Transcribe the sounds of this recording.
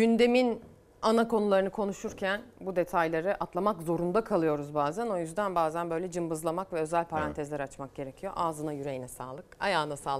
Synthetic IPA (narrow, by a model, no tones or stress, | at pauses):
ɟynd̪e̞min | anakʰo̞nulˠaɾɯnɯkʰo̞nuʃuɾcʰænbud̪e̞t̪ʰajlʲˠaɾɯʔat̪lˠamakzo̞ɾund̪akʰalˠɯjo̞ɾuzbaːzæno̞jyzd̪ænbaːzænbøjlʲɛd͡ʒɯmbɯzlˠamakvɛøzælʲpʰaɾant̪ʰɛzlʲæɾat͡ʃmak̚ɟ̥e̞ɾe̞cʰijo̞̰ʔaːzɯnajyɾe̞jinɛsa̰ːlˠɯka̰jaːnasaːlˠ